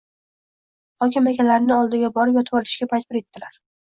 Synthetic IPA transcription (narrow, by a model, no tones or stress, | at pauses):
hɒkʲɪmakʲalaɾɪnɪɒlˠd̪ɪɡʲabɒɾpjɒt̪ʰɒlʰɪ̥ʃkʲapʰajt̪̚bɪɾe̞t̪ːɪlaɾ